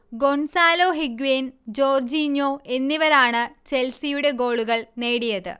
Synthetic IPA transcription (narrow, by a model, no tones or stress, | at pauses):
ɡo̞nsaːlo̞ːɦiɡuend͡ʑo̞ːrd͡ʑiːɲːo̞ːʔe̞nːiʋɐɾaːɳɨt͡ɕe̞lsijuɽe̞ɡo̞ːɭuɣɐɭne̞ːɽijɐðɨ̰